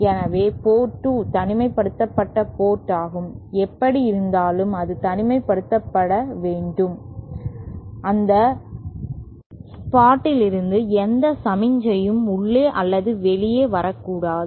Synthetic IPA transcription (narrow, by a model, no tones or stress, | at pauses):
ɛnɐʋeːpoːʈːɯt̪ɐnɪmɐɪpːɐɽɯt̪ːɐpːɐʈːɐpoːʈːaːɣɯmɛpːɐɽiɪɾɯnd̪aːlɯmɐðɯt̪ɐnɪmɐɪpːɐɽɯt̪ːɐpːɐɽɐʋeːɳɖɯm | ʔɐnd̪ɐ | paːʈːɪlɪɾɯnd̪ɯɛnd̪ɐsɐmɪɲd͡ʒɐjɯmʊɭːeːʔɐlːɐðɯʋɛlɪjeːʋɐɾɐkːuːɽaːðɯ